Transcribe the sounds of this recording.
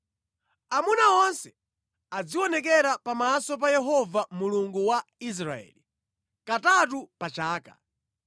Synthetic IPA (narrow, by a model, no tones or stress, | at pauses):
amunawɔnsɛ̥ | ad͡ziwɔnɛk̬ɛɾapamasɔp̬ajɛɦɔvamuluŋɡuwais̬ɾaɛ̰ːli | katat̬upat͡ʃaːka̰